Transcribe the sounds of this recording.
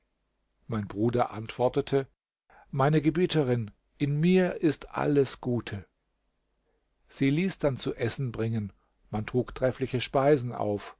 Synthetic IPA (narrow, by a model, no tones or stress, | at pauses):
maɪnbʁuːdɐʔantv̥ɔɐtətʰə | maɪnəɡəbiːtʰəʁɪn | ʔɪnmiːɐʔɪstʔa̰ləsɡ̥uːtʰə | z̥iːliːsd̥ant͡suʔɛsn̩bʁɪŋən | mantʁ̥uːktʁ̥ɛflɪçəʃpaɪzn̩ʔa̰ʊf